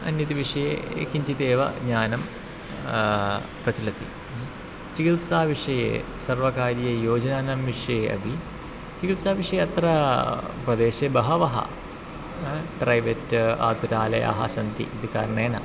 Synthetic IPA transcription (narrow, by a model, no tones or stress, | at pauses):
ɐ̰njɐt̪iʋiʂɐjḛkiɲt͡ʃit̪eːʋɐ̰ɡɲaːnɐm | prɐt͡ʃɐlɐt̪ḭ | t͡ʃikilsaːʋiʂɐjḛːsɐrʋɐkaːɾjɐjoːd͡ʑɐnaːnɐmʋiʂɐjeʔɐ̰bʱi | t͡ʃikilsaːʋiʂɐjeɐt̪rɐprɐd̪eːʃebɐɦɐʋɐɦɐ̰ | ʈrɐjʋeta̰ːd̪uɾaːlɐjɐ̰ɦɐ̰sɐnt̪ḭid̪ika̰ːɾɳeːnɐ̰